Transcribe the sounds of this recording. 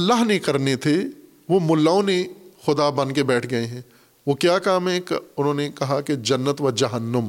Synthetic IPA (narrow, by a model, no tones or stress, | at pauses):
ɐlːaːɦnekɐɾnet̪ʰe | ʋomʊlːaːonexʊd̪abɐ̃nkebɛːʈʰɡɐeɦɛ̃ː | ʋokjaːkaːmɦɛ̃kʊnɦõːnekɐɦaked͡ʒɐnːət̪ʋɐd͡ʒɐɦənːəm